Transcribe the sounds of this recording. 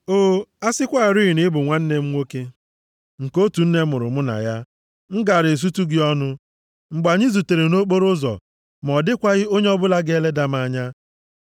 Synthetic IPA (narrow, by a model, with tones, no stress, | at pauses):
oː˦a˦sɪ˦kʷa˦˨ɾi˦i˨nɪ˦bʊ˨ŋʷa˦n̩˦ne˦m̩˦ŋʷo˦ke˦ | ŋ̩˨ko˦tu˨n̩˦ne˦mʊ˨ɾʊ̰˨m̩˦na̰˨ja˦ | ŋ̩˦ɡa˨ɾe˨s̬u˦tu˦ɡɪ˦ɔ˦nʊ˦ | ŋ͡m̩˨ɡ͡ba˨ɲɪ˦zu˨te˨ɾe˨no˦k͡po˦ɾʊ˦zɔ̰˨ | m˨ɔ˨dɪ˦kʷa˦ɣɪ˦o˦ɲe˦ɔ˦bʊ˦la˦ɡe˦le˦da˦m˦a˨ɲa˦